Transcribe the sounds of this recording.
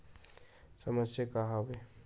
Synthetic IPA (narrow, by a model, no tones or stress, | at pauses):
sɐməsjəkaɦaʋe